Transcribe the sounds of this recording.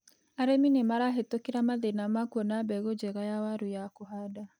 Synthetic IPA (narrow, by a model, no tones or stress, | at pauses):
aɾeminemaɾaɦetokeɾamaðenamakuɔnabɛɣod͡ʒɛɣajawaɾujakohada